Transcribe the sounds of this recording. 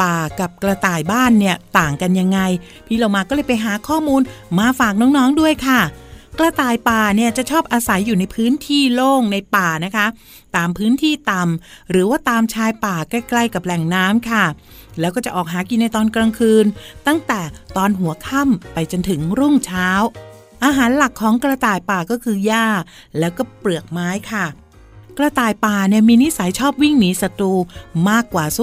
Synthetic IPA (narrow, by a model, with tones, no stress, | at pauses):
paː˨˩ka˨˩p̚kla˧t̪aː˨˩jbaː˥˩nːi˥˩ɐt̪aː˨˩ŋka˧nja˧ŋːa˧j | pʰiː˧˥˩la˧˩wmaː˧kɔː˥˩lɤː˧˩jpa˧jɦaː˩˦kʰɔː˥˩muː˧nmaː˧faː˨˩k̚nɔː˦˥ŋnɔː˦˥ŋdu˥˩əjkʰa˥˩kla˧t̪aː˨˩jpaː˨˩ni˥˩ɐt͡ɕa˨˩ʔt͡ɕʰɔː˥˩p̚ʔaː˧sa˩˦jːuː˨˩na˧jpʰɯː˦˥nt̪ʰiː˥˩loː˥˩ŋna˧jpaː˨˩na˦˥kʰa˦˥ | t̪aː˧mpʰɯː˦˥nt̪ʰiː˥˩t̪a˨˩mɾɯː˩˦waː˥˩t̪aː˧mt͡ɕʰaː˧˥jpaː˨˩ka˥˩kla˥˩jka˨˩p̚lɛ˨˩ŋnaː˦˥mkʰa˥˩ | lɛ˦˥wkɔː˥˩t͡ɕa˨˩ʔɔː˨˩k̚ɦaː˩˦ki˧nːa˧jt̪ɔː˧nkɾa˧ŋkʰɯː˧nt̪a˥˩ŋt̪ɛː˨˩t̪ɔː˧nɦu˩˦ɐkʰa˥˩mpa˧jt͡ɕo˧nt̪ʰɯ˩˦ŋɾu˥˩ŋt͡ɕʰaː˦˥w | ʔaː˧ɦaː˨˩˦nla˨˩kʰːɔː˩˦ŋkɾa˧t̪aː˨˩jpaː˨˩kɔː˥˩kʰɯː˧jaː˥˩ | lɛː˦˥wkɔː˥˩plɯ˨˩ək̚maː˦˥jkʰa˥˩ | kɾa˧t̪aː˨˩jpaː˨˩ni˥˩əmiː˧ni˦˥sa˩˦jt͡ɕʰɔː˥˩p̚wi˥˩ŋniː˨˩˦sa˧t̪uː˧maː˥˩kːwaː˨˩su˧˦˩